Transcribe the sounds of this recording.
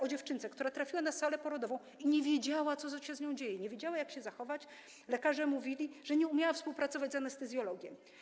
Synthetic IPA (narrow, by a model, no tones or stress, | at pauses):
ɔd͡ʑɛft͡ʂɘnt̪sɛkt̪uɾat̪ɾafʲiwanasalɛpɔɾɔd̪ɔvɔ̃w̃iɲɛvʲjed͡ʑawat̪sɔt̪ɔɕɛzɲɔ̃w̃d͡ʑejɛɲɛvʲjed͡ʑawajakɕɛzaxɔvat͡ɕ | lɛkaʐɛmuvʲilʲiʐ̥ɛɲɛumʲjawafspuwpɾat̪sɔvad͡ʑʲzanɛst̪ɛzʲjɔlɔɡʲjɛ̰